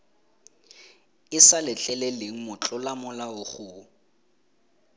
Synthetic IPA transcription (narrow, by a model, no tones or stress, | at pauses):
ɪsalɪt͡ɬɛlɛleŋ̩mʊt͡ɬʼʊlamʊlaʊχʊː